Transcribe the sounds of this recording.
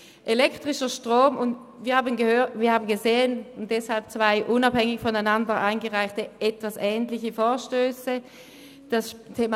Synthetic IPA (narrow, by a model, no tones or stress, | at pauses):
ʔelɛktʁ̥ɪʃɐʃtʁ̥oːmʊnt | viːɐhaːbənɡəhøːviːɐhaːbən̩ɡəzeːənʊnt̚d̥ɛshalp̚t͡sv̥aɪʔʊnabhɛŋɪçfɔnaɪnandəɐʔaɪnɡəʁaɪxtəʔɛtv̥asʔɛːntlɪçəfoːɐʃtøːsə | d̥astʰeːma